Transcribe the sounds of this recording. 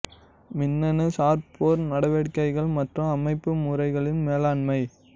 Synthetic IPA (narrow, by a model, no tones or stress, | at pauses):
mɪnːɐnɯsaːɾpoːɾnɐɽɐʋeːɽkɐɪɣɐɭmɐʈrɯɐmɐɪpːɯmuːɾɐɪɣɐɭɪnmeːlaːɳmɐɪ